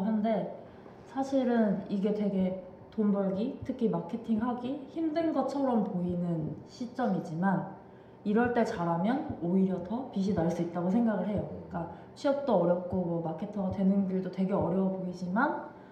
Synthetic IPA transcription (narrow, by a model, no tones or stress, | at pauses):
ɦande̞ | sʰaɕʰiɾɯniɡe̞twe̞ɡe̞ | tombʌɭɡitʰɯkʰimakʰe̞tʰiŋhaɡiçimdɯnɡʌt͡ɕʰʌɾʌmpoinɯnɕʰit͡ɕ͈ʌmid͡ʑiman | iɾʌɭt͈e̞t͡ɕaɾamjʌnoiɾjʌtʰʌpiɕ̬ʰinaɭs͈uit̚t͈aɡosʰe̞ŋɡaɣɯɭɦe̞jʌik͈a | ɕʰiʌp̚t͈oʌɾjʌp̚k͈omʌmakʰe̞tʰʌɡatwe̞nɯnɡuɭdotwe̞ɡe̞ʌɾjʌwʌboid͡ʑiman